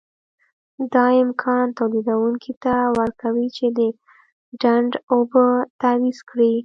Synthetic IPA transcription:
d̪ɑɪmkʰɑnt̪awlid̪awuŋkʰit̪awəɾkawit͡ʃed̪ə | ɖaɳɖobət̪awizkɽi

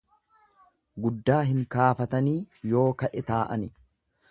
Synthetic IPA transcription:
ɡʊd̪ːaːɦɪŋkaːfɐt̪ɐniːjo̞ːkɐʔɛt̪aːʔɐ̰nɪ

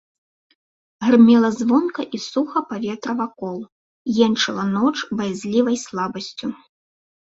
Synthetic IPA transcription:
ɣrmʲɛlˠɐzvɔnkɐʔisuxɐpavʲɛt̪ɾɐvakɔlˠ | jɛnt͡ʂɨlˠɐnɔt͡ʂbɐjazʲlʲivɐjslˠabɐsʲt͡sʲu

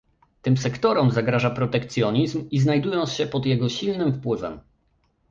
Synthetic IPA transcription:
t̪ɘmsɛkt̪ɔɾɔmzaɡɾaʐapɾɔt̪ɛkt̪sʲjɔɲizmiznajd̪ujɔnt̪sɕɛpɔd̪jɛɡɔɕilnɘmfpwɘvɛ̰m

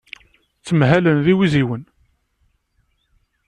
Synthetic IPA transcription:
t͡sːəmɦælənðiwiziwən

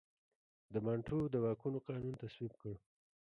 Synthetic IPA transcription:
d̪əmaɳʈʰud̪əwɑkunoqɑnunt̪aswibkəɽ

